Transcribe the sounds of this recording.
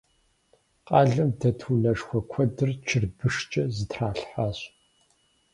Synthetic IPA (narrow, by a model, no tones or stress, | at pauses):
qʼɑːɮɐmdɐtʰunɐʂxʷɔkʷʰɔdɨrt͡ʃʰɪrbɨʂt͡ʃʼɐzɨtʰraːɬħaːɕ